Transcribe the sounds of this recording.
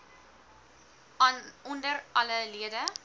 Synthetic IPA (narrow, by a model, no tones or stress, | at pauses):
ɔndəɾʔɐləliədə